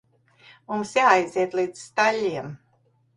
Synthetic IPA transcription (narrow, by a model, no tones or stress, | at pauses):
mumsjaːajziɛt̪lˠiːd̪z̥st̪alʲːiɛm